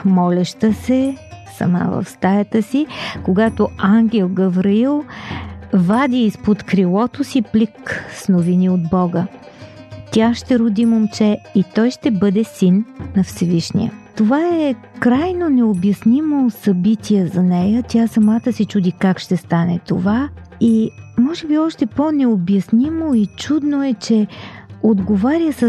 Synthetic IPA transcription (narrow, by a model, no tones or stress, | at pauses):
mɔlʲɛʃt̪əsɛsɐ̰ma̰və̰fst̪ajət̪əsikoɡat̪oaŋɡʲɛlˠɡəvɾiilˠ | vad̪ʲiːspot̪kɾilˠɔt̪osiplʲiksnoviniod̪bɔɡə | t̪ʲaʃt̪ɛɾʊd̪imomt͡ʃɛit̪ɔjʃt̪ɛbɤd̪ɛsinːɐfsɛviʃnḭə̰t̪ovaɛ | kɾajnonɛobjɐsnimosɐbit̪ʲiɛzɐnɛjət̪ʲjasɐmat̪əsit͡ʃud̪ikakʃt̪ɛst̪anɛ̰t̪o̰vaimɔʒɛbiɔʃt̪ɛponɛobjɐsnimoit͡ʃud̪noɛt͡ʃɛod̪ɡovaɾʲiəsə